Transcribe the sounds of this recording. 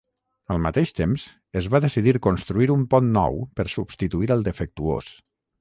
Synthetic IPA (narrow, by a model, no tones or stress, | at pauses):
əlˠmət̪eʃt̪emz̥ | əzβaðəsiðiɾkunst̪ɾuiɾumpɔnːɔ̰wpəɾsubst̪it̪uiɾəlˠd̪əfək̚t̪uo̰s